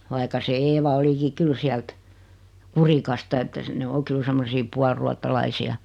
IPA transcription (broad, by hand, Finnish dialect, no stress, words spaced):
ʋɑikɑ se eːʋɑ oliki kyl siælt kurikɑstɑ etːæ se ne o kyl semːosiː puɑlruɑtːɑlɑisiɑ